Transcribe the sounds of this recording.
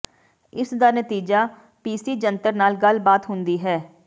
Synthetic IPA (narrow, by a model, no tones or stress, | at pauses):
ɪsd̪aːnət̪iːd͡ʒaː | piːsiːd͡ʒənt̪əɾnaːlɡəlbaːt̪ɦʊ̃nd̪iːɦɛː